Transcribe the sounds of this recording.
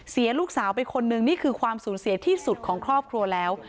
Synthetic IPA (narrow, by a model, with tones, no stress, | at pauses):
si˩˦ɐluː˥˩k̚saː˩˦wpa˧jkʰo˧nːɯ˨˩ŋniː˥˩kʰɯː˧kʰwaː˧msuː˩˦nsi˩˦ɐt̪ʰiː˥˩su˨˩t̪̚kʰɔː˩˦ŋkʰɾɔː˥˩p̚kʰɾu˧ɐlɛː˦˥w